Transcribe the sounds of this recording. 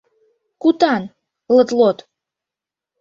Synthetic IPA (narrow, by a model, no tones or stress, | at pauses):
kut̪ɑn | lət̪lot̪